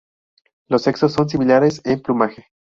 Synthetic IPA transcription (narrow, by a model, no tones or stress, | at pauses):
lo̞se̞ksosːo̞ns̬imilaɾe̞semplumaxe